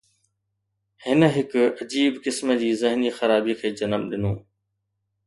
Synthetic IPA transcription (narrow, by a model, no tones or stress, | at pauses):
hɪnə̆ɦɪkɐd͡ʑiːbkɪsməd͡ʑiːzɪɦnixɐɾaːbikʰeːd͡ʑɐnəmɗɪnõː